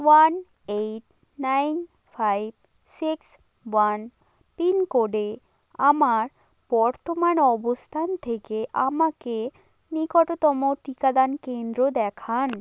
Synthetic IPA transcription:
wan | ejʈ̚ | najn | fʰajb̚ | siks | wan | pinkoɖe | amaɾ | b̥ɔɾt̪omanɔbost̪ʰant̪ʰekeʔamake | nikɔʈot̪ɔmoʈikad̪ankend̪ɾod̪ɛkʰan

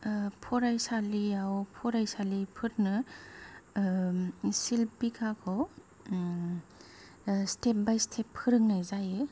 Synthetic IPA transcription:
pʰɔɾajsaliawpʰɔɾajsalipʰɯɾnɯ | silpikʰakʰɔw | stʰep̚bajstʰepʰhɯɾɯŋnajzajɯ

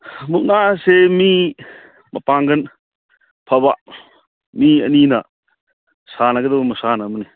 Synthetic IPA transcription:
muk̚nasemi | mɐpaŋɡɐn | pʰɐba | miɐ̰ninɐ | sanɐɡɐd̪ɐbɐmɐsanɐmɐni

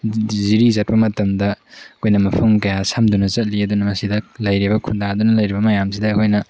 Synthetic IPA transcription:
ziɾizɐt̚pɐmɐtɐmdɐkʰojnɐmɐpʰɐmkɐjasamdunɐzɐt̚liɐd̪unɐmɐsidɐlɐjɾibɐkʰundaɐd̪unɐlɐjɾibɐmɐjams̬idɐːkʰojnɐ

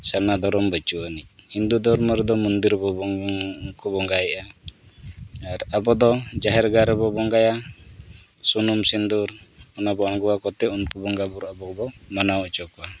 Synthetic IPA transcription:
sanad̪ɔɾɔmbət͡ʃuəniind̪ud̪ɔɾmɔɾɛd̪ɔmund̪iɾbɔbɔkubɔŋɡajʔa | aɾabɔd̪ɔd͡ʒaɦɛɾɡaɾɛbɔbɔŋɡaja | sunumsind̪uɾɔnabɔaŋɡuwakɔt̪ɛunkubɔŋɡabuɾabɔbɔmanawɔt͡ʃɔka

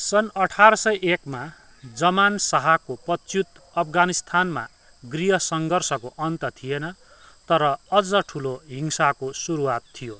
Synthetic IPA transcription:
sʌnʌʈʰaɾʌsʌjʔekma | d͡zʌmansaɦakopʌtt͡sjut̪ | ʌpʰɡanist̪ʰanma̰ | ɡriɦʌsʌŋɡʌrsʌkoʔʌnt̪ʌt̪ʰijenʌ | t̪ʌɾʌːd͡zʌʈʰuloɦiŋsakosuɾuwat̪ʰːijo

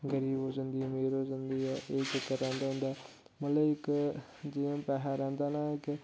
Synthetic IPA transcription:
ɡəɾiːbɦoːd͡ʒənd̪iːmeːɾoːzənd̪iːɛːʔeːd͡ʒɪkːəɾɾɛ̃ːnd̪aːɦʊ̃nd̪aː | mət̪ləɪk | d͡ʒiãːpɛːɦaːɾɛ̃ːnd̪aːnaːɪk

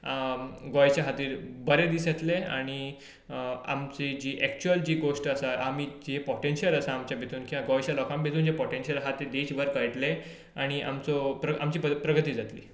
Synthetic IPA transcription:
ɡɔjt͡ɕjaɦat̪iːɾbəɾed̪isət̪lea̰ɽ̃i | a̰mt͡sed͡ʑiːʔɛkt͡ɕuəld͡ʑiːɡoʂʈəsaʔamid͡ʑepɔʈenɕələsaːmt͡ɕjabʱet̪uːnkiãɡɔjt͡ɕjalɔkãmbʱet̪uːnd͡ʑepɔʈenɕəlɦat̪iːɾd̪et͡ɕbəɾkəjʈle | aɽ̃iʔa̰mt͡sɔpɾəamt͡ɕiːəpɾəɡət̪iːd͡zat̪lḭː

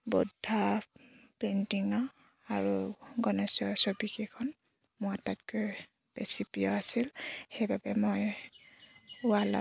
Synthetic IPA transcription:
bɔdʱa | pentiŋɔ | aɹuɡɔnɛsɔsobikekʰɔn | mʊatatkɔj | b̥esipijɔasilxejbabɛmoj | ʊala̰

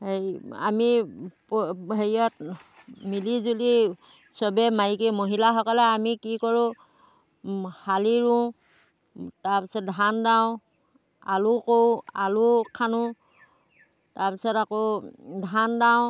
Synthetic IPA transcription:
hea̰mipɦejɔt̚ | milizuli | sɔbɛmaikimoɦilaɦɔkɔlɛamikikɔɹʊ̃ | haliɹʊ̃ | tapisɔt̚dʱandaʊ̃ | a̰lʊkowalʊkʰanʊ | taɹpisɔtakodʱandaʊ̃

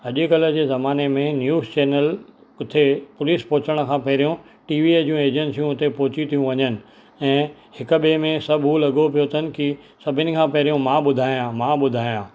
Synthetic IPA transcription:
ɐʄʊkɐlə̆d͡ʑeːzɐmaːnemẽnjuːzt͡ɕeːnəlkʊt̪ʰepʊliːspɔːʊt͡ɕəɽ̃̆kʰãːpɐɦɪɾijũ | ʈiːʋied͡ʑiũeːd͡ʑensjũʊt̪epɔɦʊt͡ɕit̪ʰijũʋɐɲənɪ̆ | ɛ̃ːhɪkʊ̆ɓemẽsɐbʱɦulɐɠopijot̪ʰənɪ̆kɪ | sɐbʱɪnɪ̆kʰãːpɐɦɪɾijũmãːɓʊd̪ʱaːijãmãːɓʊd̪ʱaːjãː

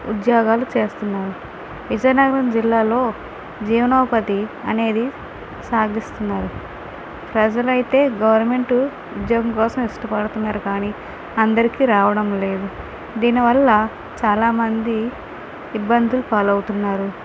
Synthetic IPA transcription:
ṵd̪jɔːɡaːlut͡ʃe̞ːst̪unːaːɾu | ʋid͡ʒɐjnɐɡɐɾɐnd͡ʒilːaːlo̞ː | d͡ʒiːʋɐnɐːpɐt̪iɐne̞ːd̪i | saːɡist̪unːaːɾu | pɾɐd͡ʒɐlɐjit̪e̞ːɡɐʋɐɾnɐme̞ɳʈu | ud̪joːɡɐmkɔːsɐmiʂʈɐpɐɽut̪unːaːɾukaːni | ɐnd̪ɐɾikiɾaːʋɐɽɐmle̞ːd̪u | d̪iːniʋɐlːɐ | t͡ʃaːlaːmɐnd̪iː | bːɐnd̪ulupaːlɐwut̪unːaːɾu

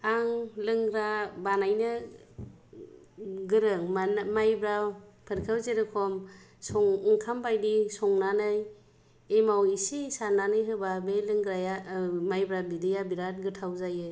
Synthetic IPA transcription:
aŋlɯŋɡɾabanajnɯ | ɡɯɾɯŋmanmajbɾapʰɯɾkʰɯwzeɾɯkʰɔmsɔŋɯŋkʰambajdisɔŋnanɯj | emawisisananɯjɦɯbabelɯŋɡɾajamajbɾabidɯjabiɾat̚ɡɯtʰawzajɯ

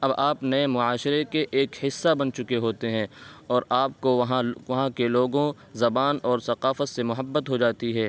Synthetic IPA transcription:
ɐbaːpnɐemʊaːʃɪɾekeʔeːkhɪsːabɐnt͡ʃʊkeɦoːt̪eɦɛ̃ːɔːɾaːp̚koʋɐɦãʋɐɦãkeloːɡõ | zɐbaːnɔːɾsɐqaːfət̪semʊɦəbːət̪ɦod͡ʒaːt̪iɦɛː

